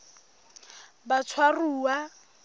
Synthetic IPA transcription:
bat͡sʰwaruːwa

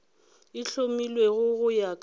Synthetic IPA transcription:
ɪɬomilweɣʊɣʊjakʼ

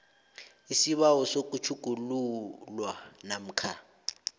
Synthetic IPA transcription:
isiβaɔsok̬ʼut͡ʃʰuɡ̥ʱululwanam̩kʰa

